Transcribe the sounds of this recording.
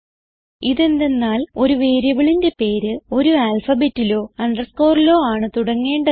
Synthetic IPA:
iðe̞nd̪e̞nːaːlo̞ɾuʋeːɾjɐʋɐɭinde̞pe̞ːɾɨo̞ɾuaːlfɐbeːtːilo̞ːɐɳɖɐrsko̞ːrilo̞ːaːɳɨt̪uɽɐŋːe̞ːɳɖɐ

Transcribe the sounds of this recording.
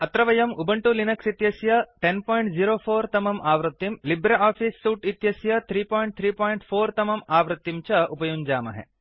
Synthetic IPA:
ɐt̪ɾɐʋɐjɐmubɐɳʈulinɐksit̪jɐsjɐʈenpɔːjɳʈziɾoːfʰoːɾt̪ɐmɐmʔaːʋɾɨt̪ːimlibɾɐʔaːfʰisːuːʈit̪jɐsjɐt̪ʰɾiːpoːiɳʈ̚t̪ʰɾiːpoːjɳʈfʰoːɾt̪ɐmɐmaːʋɾɨt̪ːimt͡ʃɐupɐjund͡ʒaːmɐ̰ɦḛ

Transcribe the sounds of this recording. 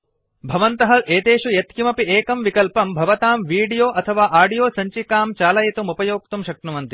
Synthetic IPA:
bʱɐʋɐnt̪ɐɦɐeːt̪eːʃujɐt̪kimɐpiʔeːkɐmʋikɐlpɐmbʱɐʋɐt̪aːmʋiːɖijoːʔɐt̪ʰɐʋaːʔaːɖijoːsɐɲt͡ʃikaːmt͡ʃaːlɐjit̪umupɐjoːk̚t̪umʃɐk̚ʈnuʋɐnt̪i

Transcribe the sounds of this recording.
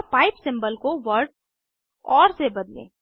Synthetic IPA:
paːɪpsɪ̃mbəlkoʋəɾɖ | ɔːɾsebɐd̪lḛ̃ː

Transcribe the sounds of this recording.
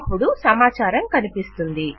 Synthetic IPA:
pːuɽusɐmaːt͡ʃaːɾɐmkɐnipist̪und̪i

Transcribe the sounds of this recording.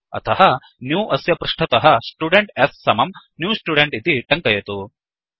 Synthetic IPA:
ɐ̰t̪ʰɐɦɐ | njuːʔɐsjɐpɾɐʂʈʰɐt̪ɐɦɐsʈuːɖeɳʈesːɐmɐmnjuːsʈuːɖeɳʈit̪iʈɐŋkɐjɐt̪u

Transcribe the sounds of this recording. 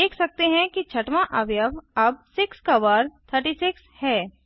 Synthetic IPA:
eːkʰsɐk̚t̪eɦɛ̃kit͡ʃʰɐʈmãʔəbjəbɐb̚sɪkskaʋaːɾt̪ʰəɾʈiːsɪkshɛː

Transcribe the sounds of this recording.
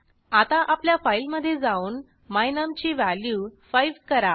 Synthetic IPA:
at̪ãʔapljafailməd̪ʱːjed͡zauːn | majnəmt͡ɕiːʋæljufajʋkəɾa

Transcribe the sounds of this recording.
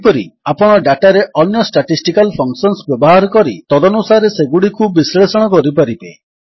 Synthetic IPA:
pɔɾiapɔɽ̃ɔɖaʈaɾeʔɔnjɔsʈaʈisʈikalpʰɔŋksɔnsbjɔbɔɦaɾɔkɔɾit̪ɔd̪ɔnusaɾeseɡuɽikubislesɔɽ̃ɔkɔɾipaɾibe

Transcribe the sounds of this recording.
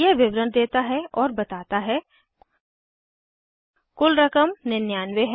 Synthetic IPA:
eʋɪʋɾənd̪eːt̪aɦɛɔːɾbɐt̪aːt̪aɦɛ | kʊlɾɐkəmnɪnjaːnʋeɦ

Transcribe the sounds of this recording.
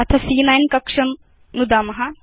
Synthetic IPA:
ɐt̪ʰɐsiːnajnkɐkʂɐm | nud̪aːmɐɦa

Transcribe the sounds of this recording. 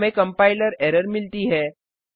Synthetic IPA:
mẽkɐ̃mpaːɪləɾɛːɾəɾmɪlʈ̪iɦɛː

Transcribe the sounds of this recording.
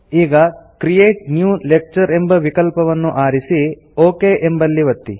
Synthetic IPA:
iːɡɐkɾijeːʈ̚njuːlek̚t͡ʃɐɾembɐʋikɐlpɐʋɐnːuʔaːɾisi | oːkeːʔembɐlːiʋɐt̪ːi

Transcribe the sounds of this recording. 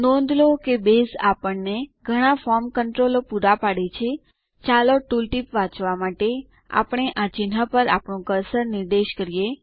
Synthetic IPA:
nɔ̃nd̪lokebesapəɳneɡʱəɽ̃afɔɾmkəɳʈɾolopuɾapaɽet͡ʃʰe | t͡ʃaloʈulʈipʋãt͡ʃʋamaʈe | a̰pɳ̃eʔat͡ʃinɦapəɾapɳũkəɾsəɾnɪɾd̪eʃkəɾije

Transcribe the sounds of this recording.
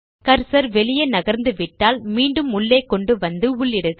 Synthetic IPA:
kɐɾsɐɾʋɛɭɪjɐnɐɣɐɾnd̪ɯʋɪʈːaːlmiːɳɖɯmʊɭːeːkːɔɳɖɯʋɐnd̪ɯʊɭːɪɽɯɣ

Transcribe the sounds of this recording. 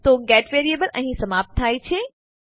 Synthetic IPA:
t̪oːɡɛːʈʋeːɾieːbəlʔɐ̰̃ɦsɐmaːp̚t̪ʰːaːit͡ɕʰeː

